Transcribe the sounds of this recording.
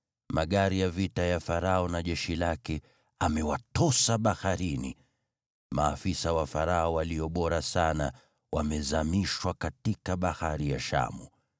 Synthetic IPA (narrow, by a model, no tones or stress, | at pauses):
maɠaɾijavitajafaɾaɔnaʄɛʃilakɛ | amɛwatɔsaɓahaɾinḭ | maːfisawafaɾaɔwaliɔɓɔɾasana | wamɛzamiʃwakatikaɓahaɾija̰ʃa̰mu